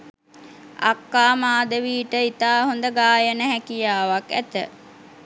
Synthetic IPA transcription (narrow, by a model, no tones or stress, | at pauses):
a̰kːaːmaːd̪əʋiːʈəit̪aːɦond̪əɡaːjənəɦækijaːʋakæ̰t̪ə̰